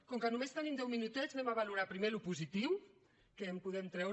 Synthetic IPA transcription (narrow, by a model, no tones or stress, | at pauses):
kɔŋkənumest̪ənimd̪ɛwminut̪ɛznɛmaβaluɾapɾimelupuzit̪iw | kempuðɛmt̪ɾɛw